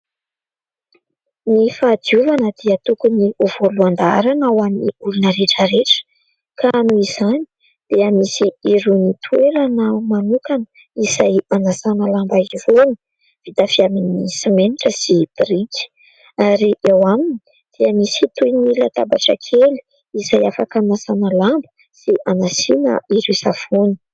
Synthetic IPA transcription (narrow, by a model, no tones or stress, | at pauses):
nifaːd̪iuvanəd̪̥iət̪ukuniuv̥oluand̪aɾanawamiulunəɾeʈ͡ʂəɾeʈ͡ʂə̥ | kʰaanuiz̥ani̥ | d̪̥eamisiiɾunit̪ʰueɾanəmanukanə̥ | iz̥ajanasanalambaiɾuni̥ | v̥it̪afiaminisimeniʈ͡ʂəsib̥riki̥ | aɾiʔewamini | d̪̥eamisit̪ujnilət̪aba̰ʈ͡ʂə̰kʰeli̥ | izajafakanasanəlambə̥ | siʔanasinə̰iɾusafuni̥